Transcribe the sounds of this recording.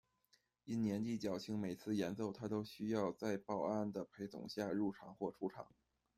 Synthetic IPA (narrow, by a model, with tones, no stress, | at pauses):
i˥˩nnjɛ˧˥nt̪i˥˩t͡ɕjɑ˨˩ʊt͡ɕʰi˧˥ŋme˨˩ɪt͡sʰɹ̩˥˩jɛ˧˥nt͡so˥˩ʊt̪ʰa˥t̪o˥ʊɕy˥jɑ˥˧ʊt͡sa˥˧ɪpɑ˥˩ʊa˥˩nd̪ə˩pʰe˧˥ɪt͡sʊ̰˨˩ŋɕja˥˧ɻu˥˩ʈ͡ʂʰɑ˨˩˦ŋxwɔ˥˩ʈ͡ʂʰu˧˥ʈ͡ʂʰɑ̰˨˩˦ŋ